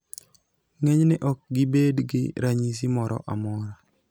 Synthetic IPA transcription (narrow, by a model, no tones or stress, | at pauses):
ŋeɲnɪʔɔk̚ɡɪbedɡɪ̰ɾaɲisimɔɾɔ̰ʔamɔɾa